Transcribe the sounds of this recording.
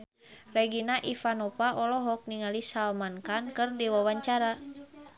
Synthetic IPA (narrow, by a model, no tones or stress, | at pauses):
rɛɡinaʔifanɔpaʔɔlɔɦɔk̚niŋalisalmankankɨrdiwawaɲt͡ʃaɾa